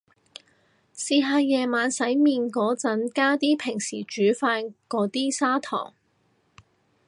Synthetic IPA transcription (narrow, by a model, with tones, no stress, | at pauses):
siː˧ɦaː˧jɛː˨˧maː˨˧nsɐ˨˥jmiː˨˧nkɔː˨˥t͡sɐ˨˥nkaː˥t̪iː˥pʰɪ˨˩ŋsḭː˨˩t͡ʃyː˨˥faː˧nkɔː˨˥t̪iː˥saː˥t̪ʰɔ̰ː˨˩ŋ